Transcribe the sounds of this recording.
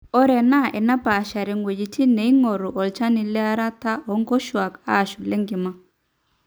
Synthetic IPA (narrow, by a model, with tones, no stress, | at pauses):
ɔ˦ɾɛ˨na˦˨ʔɛ˨na˦ba˨ʃa˨ɾɛ˨ŋɡwe˨d͡ʒi˨ti˦nɛ˨i˦ŋɔ˨ɾu˨ʔɔ˨lt͡ʃa˦ni˨lɛ˦a˦ɾa˦ta˦ɔ˨˦ŋɡɔ˦ʃwa˨ka̰˦˨ʃu˨lɛ˦ŋɡɪ˨ma˦